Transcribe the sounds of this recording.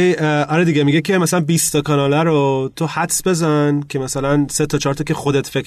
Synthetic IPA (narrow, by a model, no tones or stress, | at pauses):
ɒɾed̪iɟemiɟecʰe̞mæsælænbiːst̪ʰɒkʰɒnɒːlæɾot̪ʰohæt̪sbe̞zæncʲʰe̞mæsælænset̪ʰɒt͡ʃʰɒɾt̪ʰɒcʰe̞xo̞d̪et̪fekʰ